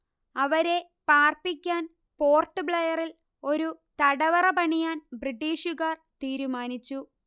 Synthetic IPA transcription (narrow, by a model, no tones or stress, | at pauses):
ɐʋɐɾe̞ | paːrpikʲːaːn | po̞ːrʈːɨbɭejɐril | o̞ɾut̪ɐɽɐʋɐrɐpɐɳijaːnbriʈːiːʂuɣaːrt̪iːɾumaːnit͡ɕːu